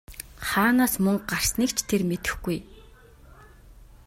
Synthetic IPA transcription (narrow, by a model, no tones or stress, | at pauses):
χaːnaːsmɵŋɢar̥sniːkt͡ɕʰt̪ʰermet̪ɘ̆xɡuj